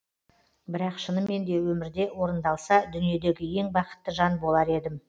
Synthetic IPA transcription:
bɪɾɑqʃənəmːe̞nd̪e̞wɵmɪɾd̪e̞wo̞ɾənd̪ɑlˠsɑd̪ʏnije̞d̪e̞ɡʲɪje̞ŋbɑqə̥t̪ːəʒɑnbo̞lˠɑɾe̞d̪ɪm

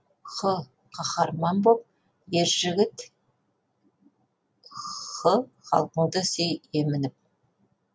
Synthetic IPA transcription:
χə | qʰɑχɑɾmɑnbop̚ | jeɾʒɪɡʲɪt̪ | χə | χɑ̰lˠqəɴd̪əsejemɪnɪp̚

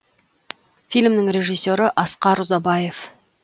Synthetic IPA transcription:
fijlʲmnɪŋɾe̞ʒijsːoɾɪʔɑsqɑɾuzɑbɑje̞f

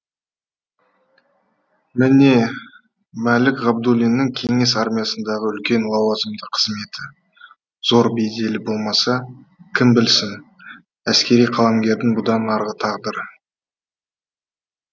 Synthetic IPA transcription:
mɪne̞ | mælɪkʁɑb̚d̪ulʲijnːɪŋkʲʰe̞ŋe̞sɑɾmʲijɑsənd̪ɑʁəʏlkʲe̞nlˠɑwɑzəmd̪əqʰːə̥zme̞t̪ʰɪ | z̥o̞ɾbe̞jd̪e̞lɪbo̞lˠmɑsɑ | kʲʰɪnbɪlsɪn | æskʲe̞ɾijqʰɑlˠɑmɡʲe̞ɾd̪ɪŋbʊd̪ɑnɑɾʁət̪ʰɑʁd̪əɾ

